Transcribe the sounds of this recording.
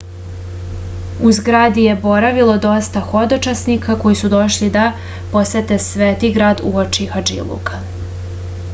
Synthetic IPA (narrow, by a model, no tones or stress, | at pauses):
uzɡɾaːd̪ije̞bo̞ɾaʋilˠo̞d̪o̞st̪axo̞d̪ot͡ʃasnikʰako̞jisud̪o̞ʃlid̪a | po̞sʋet̪e̞sʋeːt̪iɡɾaːd̪uot͡ʃixad͡ʒḭlˠṵka